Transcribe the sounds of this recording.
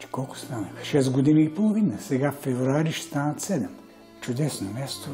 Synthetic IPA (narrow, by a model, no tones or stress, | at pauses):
t͡ʃɛ̥kɔlˠkʊ̥st̪anəxʃɛsɡod̪iniːpolˠovinəsɛɡaffɛvɾuaɾiʃst̪anɐt̪sɛd̪ɛm | t͡ʃʊd̪ɛsnomʲast̪o